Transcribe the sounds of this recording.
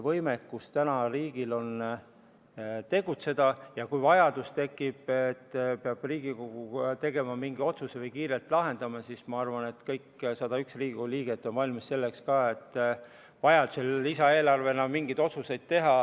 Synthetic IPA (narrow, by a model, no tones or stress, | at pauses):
vɤ̞jme̞kːust̪ænɑriːɡ̥ilo̞n | t̪e̞ɡut̪se̞d̪ɑjɑkujvɑjɑd̪ust̪e̞kːˑib̥et̪ːpeɑb̥riːɡ̥iko̞ɡ̥ut̪e̞ɡ̥e̞mɑmiŋɡio̞t̪susevɤjkiːɾe̞lt̪ˑlɑɦe̞nd̪ɑmɑsismɑɑrvɑne̞t̪kɤjkːsɑd̪ɑyksriːɡikoliːɡ̥et̪ːˑo̞nvɑlʲmisse̞lːekskɑːe̞t̪ː | vɑjɑd̪̥uselːisɑe̞ːlɑrve̞nɑmiŋɡijd̪̥o̞t̪suse̞jd̪̥̚t̪e̞ɦɑ